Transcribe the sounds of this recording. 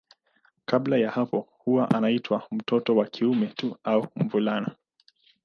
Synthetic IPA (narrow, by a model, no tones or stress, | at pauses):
kablajahapɔhuwaʔanaitʰwam̩tʰɔtɔwakʰiumɛtuaumvulana